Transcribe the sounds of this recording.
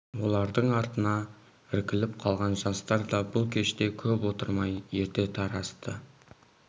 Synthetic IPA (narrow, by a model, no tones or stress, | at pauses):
wo̞lˠɑɾd̪əɴɑɾt̪ənɑ | ɪɾkʲɪlɪp̚qʰɑlˠʁɑnʒɑst̪ɑɾd̪ɑbʊlˠkʲʰe̞ʃt̪e̞kʲʰɵpwo̞t̪əɾmɑje̞ɾt̪e̞t̪ʰɑɾɑst̪ə